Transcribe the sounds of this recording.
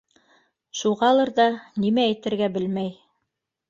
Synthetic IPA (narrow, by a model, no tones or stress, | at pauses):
ʃuʁɑlˠɤɾðɑnimæːjt̪ɘ̆ɾɡæbɘlmæj